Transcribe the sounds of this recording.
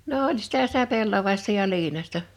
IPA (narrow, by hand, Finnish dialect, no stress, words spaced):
no olʲ si̥tæ sitæ pelːɑʋɑˑistɑ jɑ iːinɑsʲtɑ